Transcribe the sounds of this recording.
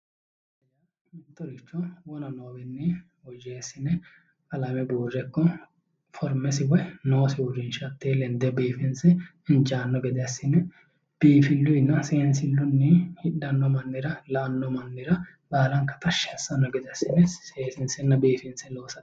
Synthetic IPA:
ɛjɐ | hɪnt̪ːɔɾɪt͡ʃːɔwɔnɐnoːbɛnːɪ | wɔd͡ʒeːsːɪnɛ | ɐlɐmɛbuːrːɛkːɔ | fɔɾmɛsɪwɔjnoːsɪʊɾɪnʃɐt̪ːeːlɛnd̪ɛbiːfɪnsɛ | ɪnt͡ʃaːnːɔɡɛd̪ɛɐsːɪnɛ | b̥iːfɪlːʊjnːɐseːnsɪlːʊnːɪhɪɗːɐnːɔmɐnːɪɾɐlaːnːɔmɐnːɪɾɐ | baːlɐŋkɐ̥t̪ɐʃɛsːɐnːɔɡɛd̪ɛɐsːɪnɛseːsɪnsɛnːɐbiːfɪnsɛloːsɐ

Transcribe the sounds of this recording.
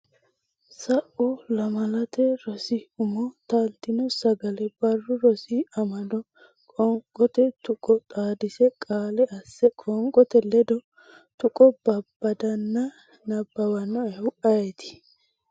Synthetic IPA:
sɐʔɔlɐmɐlɐt̪ɛɾɔsɪʊmɔt̪ɐlt̪ːɪnɔsɐɡɐlɛbɐrːʊɾɔsiɐmɐdɔ | kʼɔŋkʼɔt̪ɛt̪ʊkʼɔt̪ʼaːd̪ɪsɛkʼaːlɛʔɐsːɛkʼɔŋkʼɔt̪ɛlɛd̪ɔ | t̪ʊkʼɔb̥ɐbːɐd̪ɐnːɐ | nɐbːɐwɐnːɔɛhʊʔɐjɛt̪ɪ̥

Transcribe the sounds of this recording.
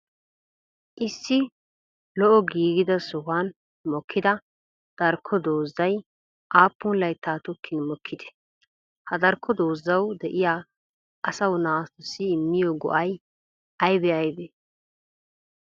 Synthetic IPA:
ʔɪsːɪ | lɔʔɔɡiːɡɪd̪ɐsʊɦan | mɔkʰːɪd̪ɐ | d̪̥ɐɾkʰːɔd̪oːzːɐj | ʔaːpːʊnlɐjt̪ʰːaːt̪ʊkʰːɪnmɔkʰːɪd̪ɛ̥ | hɐd̪ɐɾkʰːɔd̪o̞ːzːɐwd̪ɛʔɪjaː | ɐsɐwnaːst̪ɔsɪːmːɪjɔɡɔ̰ʔɐj | ɐjbɛɐjbɛ

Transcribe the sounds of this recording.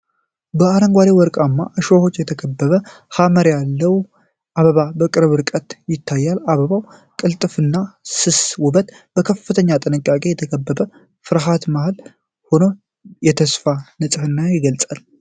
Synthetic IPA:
bəaɾəŋɡʷalewɔɾkʼamːa̰ʔɨʃoho̞t͡ʃːjɛt̪ʰəkʰəbːəβə | haməɾjalːəw | ʔaβəβabəkʼɨɾɨβɨɾkʼət̪jɪt̪ʰːajːalaβəβaw | kʼɨlt̪ʼɨfɨnːasɨswʊbət̪ | b̥əkʰəfːɨt̪ʰəɲːat̪ʼɨnɨkʼːakʼe̞jɛt̪ʰəkʰəbːəβə | fɨɾɦat̪mahl | ho̞no̞ | jɛt̪ʰəsfanɨsʼɨhɨnːajɪɡəlt͡sʼal

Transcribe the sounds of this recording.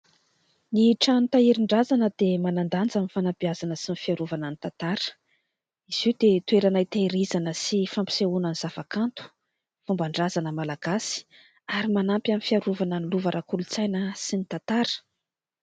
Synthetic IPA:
niʈ͡ʂant̪aiɾiɳɖ͡ʐazanəd̪̥emanand̪and͡zamifanabiazanəsinifiaɾuvananit̪at̪aɾə̥ | iz̥iwd̪et̪ueɾanajt̪aiɾizanəsifampi̥seunaniz̥avakant̪u̥ | fumbaɳɖ͡ʐazanəmalaɡ̥asi̥ | aɾimanampʲamifiaɾuvananiluvaɾʔakulut͡sajnəsinit̪ant̪aɾə̥

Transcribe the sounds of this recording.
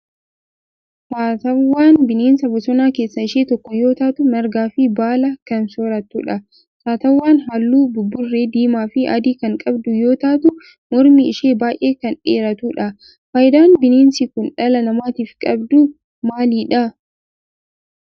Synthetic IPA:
saːt̪ɐwːaːnbɪneːnsɐbɐsɔnaːke̞ːsːɐɪʃeːt̪ɔkːɔjo̞ːt̪aːt̪ʊmɐɾɡaːfɪbaːlɐkɐnsoːɾɐt̪uːᶑɐ | saːt̪ɐwːaːnɦɐlːuːbʊbːʊrːeːd̪iːmaːfɪɐ̰d̪iːkɐŋkʼɐbd̪ʊjo̞ːt̪aːt̪ʊ | mɔɾmiɪʃeːbaːjʔe̞ːkɐnᶑeːɾɐt̪uːᶑɐ | faːjɪd̪aːnbɪneːnsɪkʊnᶑɐlɐnɐmaːt̪iːfkʼɐbd̪ʊ | maːliːᶑɐ

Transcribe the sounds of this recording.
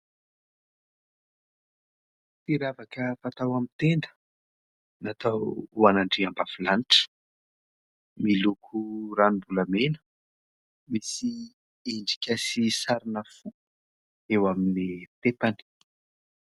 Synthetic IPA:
fiɾavakəfat̪awamit̪end̪ə̥ | nat̪awuanaɳɖ͡ʐiambafilaniʈ͡ʂə̥ | milukʰuranimbuləmenə̥ | misi | eɳɖ͡ʐi̥kʲasisaɾinəfu | ewaminit̪epani̥

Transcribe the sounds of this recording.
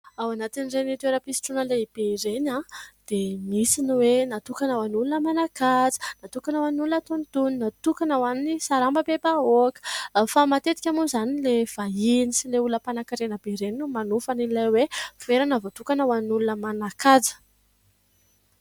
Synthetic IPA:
awanat̪inirenit̪eɾapisi̥ʈ͡ʂunəleib̥eiɾenad̪̥emisiniwenat̪ukanawanulunəmanakad͡zə̥nat̪ukanawaninulunət̪ont̪uninat̪ukanəwaninisaɾambəbebaokə̥famat̪et̪i̥kʲamuzanilev̥ainisileuləpanakiɾenəbeɾeniumanufanilajwev̥eɾanavot̪ukanawaninulunəmanakad͡zə̥

